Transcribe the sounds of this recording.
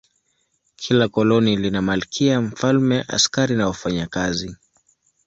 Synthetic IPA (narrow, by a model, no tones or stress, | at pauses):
kʰilakɔlɔnilinamalikʰiaɱ̩falmɛʔa̰skaɾinawafaɲakazi